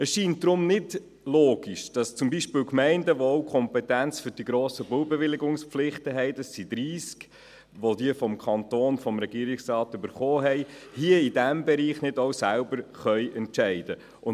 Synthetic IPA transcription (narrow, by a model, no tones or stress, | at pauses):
əsʃiːntd̥ɾʊmnɪd | loːɡ̥iʃd̥ɑst͡sʊmbiʃpɪːlkmɛɪndəʋoɔwkʰχɔmpɛtænt͡sfʏɾd̥iɡɾoːsəbʊwbɛʋɪlɪɡʊŋspflɪχtəɦɛɪd̥ɑsːid̥̪ɾiːsk | ʋodiəfɔmkʰɑntoːnfɔmɾɛɡ̥iːɾɪksrɑːtøbəɾχoːɦɛɪhiəidæmbɛɾiːχnɪdɔwsælbəɾχœʏɛntʃɛɪd̥ə | ʔʊn